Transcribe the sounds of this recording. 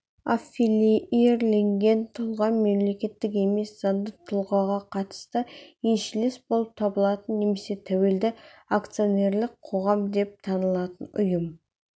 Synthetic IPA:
afːileijeɾle̞ŋɡʲe̞nt̪ʰʊlˠʁɑnme̞mle̞kʲe̞t̪ːɪke̞me̞szɑnd̪ət̪ʰʊlˠʁɑʁɑqʰɑt̪ə̥st̪əjenʃɪlesbo̞lˠəp̚t̪ʰɑbəlˠɑt̪ənːe̞me̞se̞t̪ʰæwe̞ld̪ɪakt̪sijo̞ne̞ɾlɪk̚qʰo̞ʁɑmd̪e̞p̚t̪ʰɑnəlˠɑt̪ənʊ̰jəm

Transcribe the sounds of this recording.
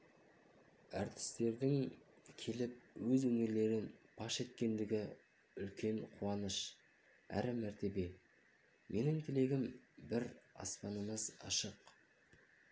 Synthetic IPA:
æɾt̪ɪ̥st̪e̞ɾd̪ɪŋ | kʲʰe̞lɪp̚wɵzwɵŋeɾle̞ɾɪnb̥ɑʃe̞t̪kʲe̞nd̪ɪɡʲɪ | ʏlkʲe̞ɴqʰuɑnəʃ | æ̰ɾɪmæɾt̪e̞be̞ | mʔe̞nɪŋt̪ʰɪle̞ɡʲɪmbɪɾɑ̰spɑnəməzɑ̰ʃəq

